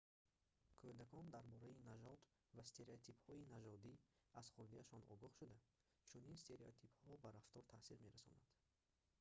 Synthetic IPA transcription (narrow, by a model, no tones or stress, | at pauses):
kʰod̪akʰɔnd̪aɾbɔɾainad͡ʒɔt̪ | vast̪ʰe̞ɾeot̪ʰiphɔinad͡ʒɔd̪iaz̥χuɾd̪iaʃɔnɔ̰ɡɔχʃud̪a | t͡ʃʰuninst̪ʰe̞ɾeot̪ʰiphɔbaɾaft̪ɔɾt̪ʰasiɾme̞ɾasɔ̰na̰nd̪̥